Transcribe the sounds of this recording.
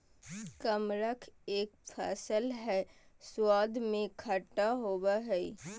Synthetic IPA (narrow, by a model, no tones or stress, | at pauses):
kəmɾəkʰeːk̚pʰɛːsəlɦɛːswaːd̪ʱmẽkʰəʈːaɦoːbaɦɛi